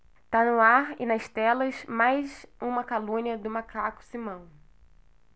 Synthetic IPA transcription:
t̪anʊaɾɪ̰nɐʃt̪ɛlɐzmajzũmɐkalũniɐd̪ʊmakakʊ̥simɐ̃w̃

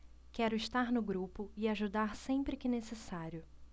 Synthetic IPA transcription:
kɛɾʊɪʃt̪aɾnʊɡɾupʊɪaʒud̪aɾsẽpɾɪkɪnesesaɾjʊ

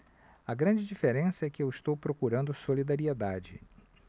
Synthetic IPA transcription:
ɐɡɾɐ̃nd͡ʒɪd͡ʒifeɾẽsɐɛkɪewist̪owpɾokuɾɐ̃nd̪ʊsolid̪aɾied̪ad͡ʒɪ̰

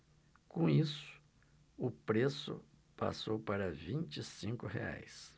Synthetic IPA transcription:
kõisʊ̥ | ʊpɾesʊ̰ | pa̰sowpaɾɐvĩt͡ʃisĩŋkʊɦḛa̰js

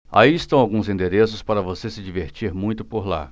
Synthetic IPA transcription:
a̰iɪst̪ɐ̃w̃awɡũzĩnd̪eɾesʊspaɾɐvosesɪd͡ʒiveɾt͡ʃiɾmũj̃t̪ʊpoɾla̰

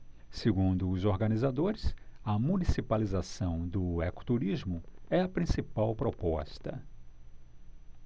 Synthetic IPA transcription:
seɡũnd̪ʊːzoɾɡɐnizad̪oɾɪsɐmunisipalizasɐ̃w̃d̪ʊɛkʊ̥t̪uɾizmʊɛɐpɾĩsipawpɾopɔst̪ɐ̰

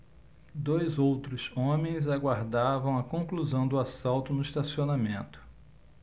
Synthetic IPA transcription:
d̪ojzowt̪ɾʊzõmẽj̃zaɡwaɾd̪avɐ̃w̃ɐkõkluzɐ̃w̃d̪ʊasawt̪ʊnʊiʃt̪asionamẽnt̪ʊ̥

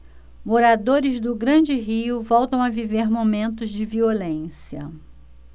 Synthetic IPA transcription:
moɾad̪oɾɪzd̪ʊɡɾɐ̃d͡ʒɪɦiʊvɔwt̪ɐ̃w̃aviveɾmomẽnt̪ʊzd͡ʒɪviolẽsiɐ

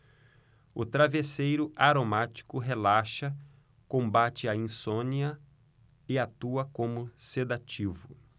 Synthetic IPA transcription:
ʊt̪ɾavesejɾʊaɾomat͡ʃi̥kʊɦelaʃɐ | kõmbat͡ʃɪaĩsõniɐ | ɪat̪uɐkõmʊsed̪at͡ʃivʊ

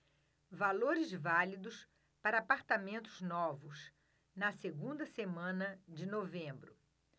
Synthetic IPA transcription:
valoɾɪzvalid̪ʊs | paɾɐaːpaɾt̪amẽnt̪ʊznɔvʊs | nɐseɡũnd̪ɐsemɐ̃nɐd͡ʒɪnovẽmbɾʊ

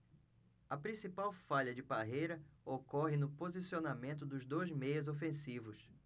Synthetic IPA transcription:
ɐpɾĩsipawfaʎɐd͡ʒɪbaɦejɾɐokɔɦɪnʊpozisionamẽnt̪̬ʊd̪ʊzd̪ojzmejɐzofẽsivʊs

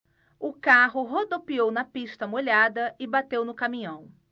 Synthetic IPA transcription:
ʊkaɦʊɦod̪opiownɐpiʃt̪ɐmoʎad̪ɐɪbat̪ewnʊkamĩɲɐ̃w̃

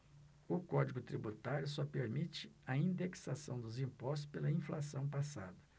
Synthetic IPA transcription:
ʊkɔd͡ʒiɡʊt̪ɾibut̪aɾjʊsɔpeɾmit͡ʃɪɐĩnd̪eksasɐ̰̃w̃d̪ʊzĩpɔst̪ʊspelɐĩflasɐ̃w̃pasa̰d̪ɐ

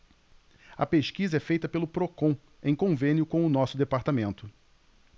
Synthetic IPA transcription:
ɐpeʃkizɐɛfejt̪ɐpelʊpɾokõ | ẽj̃kõvẽnjʊkõʊnɔsʊd̪epaɾt̪amẽnt̪ʊ

